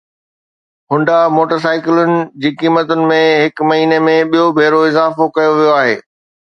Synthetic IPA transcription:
ɦʊ̃ɳɖamoːʈəɾs̬aːɪkɪlʊnɪ̆d͡ʑiːkiːmət̪ʊnɪ̆mẽɦɪkmɐɦiːnemẽɓijobʱeːɾoɪzaːfokɐjoʋijoaːɦeː

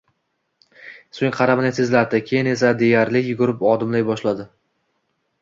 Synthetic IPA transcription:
sʊŋqʰɑɾamɪnɪt̪ʰɪzlaɾd̪ɪkʲʰe̞jɪne̞s̬ad̪e̞jaɾlɪkʲjʊɡʊɾɪpɒd̪ɪmlajbɒʃlad̪ɪ

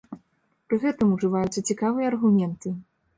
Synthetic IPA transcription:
pɾɨɣɛt̪ɨmuʐɨvajut̪sɐt͡sʲikavɨjɐːrɣumʲɛnt̪ɨ

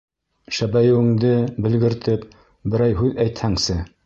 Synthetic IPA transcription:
ʃæbæjɘ̆wɘ̆ŋd̪ɘbɘ̆lɡɘ̆ɾt̪ɘp | bɘ̆ɾæjɦʉðæjt̪hæŋsɘ

